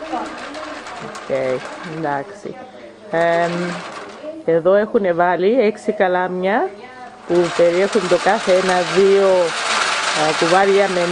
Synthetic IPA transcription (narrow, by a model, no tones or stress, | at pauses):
o̰cejend̪ɐksḭ | e̞ðo̞e̞xune̞vɐlie̞ksikɐlɐmɲɐ | pupe̞ɾie̞xund̪o̞kɐθe̞enɐðio̞ | kuvɐɾʝɐmen